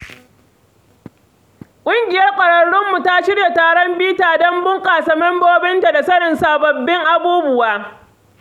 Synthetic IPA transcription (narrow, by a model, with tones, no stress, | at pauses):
kʷʼʊ˦ŋɡʲɪ˨jɐ˦rkʷʼɐ˨ɽɐ˨ɽːʊ˦mːu˨ta˦ʃɪ˦rja˨taː˨ɽɔ˦mbiː˦taː˨dɔ˦mbʊ˦ŋkʼaː˨sɐ˨mɐ˦mboː˦bɪ˦nta˨da˨sɐ˦ɽɪ˨nsaː˨bɐ˨bːɪ˦ŋʔa˦buː˦bʊ˦˨waː˦